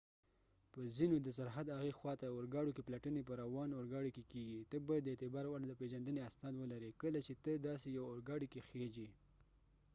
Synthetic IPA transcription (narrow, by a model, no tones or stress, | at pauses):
pəzinod̪əs̬aɾɦad̪aɣexwɑt̪aʊɾɡɑɽokeplaʈənepəɾawɑnʊɾɡɑɽikekeɡit̪əbɑjad̪ːəet̪ɪbɑɾwaɽd̪əpeʒand̪əneasnɑd̪wəlaɾikəlat͡ʃet̪əd̪ɑsejawʊɾɡɑɽikexed͡ʒi